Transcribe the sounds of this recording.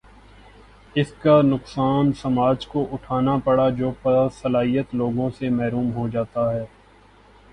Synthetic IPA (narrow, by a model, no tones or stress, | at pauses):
ɪskanʊqsaːnsɐmaːd͡ʒkoʔʊʈʰaːnapɐɽad͡ʒoːpɐsɐlaːɦijət̪loːɡõsemɛɦɾuːmɦod͡ʒaːt̪aɦɛː